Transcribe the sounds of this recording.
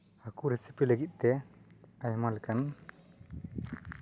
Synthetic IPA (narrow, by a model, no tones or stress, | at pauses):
akuɾɛsipiləɡit̪̚ˀt̪ɛ | ajmalkan